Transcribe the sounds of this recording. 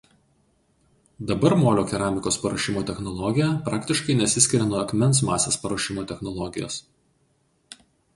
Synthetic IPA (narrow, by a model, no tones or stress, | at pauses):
d̪ɐbɐɾmoːlʲoːkʲɛɾɑːmʲɪkoːspɐɾɐʃʲɪmoːt̪ʲɛxnɔlˠɔɡʲɪjɛpɾɑːkʲt̪ʲɪʃkɐɪnʲɛsʲɪsʲkʲɪɾʲɛnuɔɐkʲmʲɛnsmɑːsʲeːspɐɾoːʃʲɪmoːt̪ʲɛxnɔlˠɔɡʲɪjo̰ːs